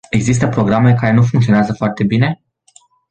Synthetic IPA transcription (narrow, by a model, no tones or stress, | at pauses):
e̞ɡzis̬t̪əpɾo̞ɡɾame̞kaɾe̞nufuŋkt̪sio̞neazəfoart̪e̞bine̞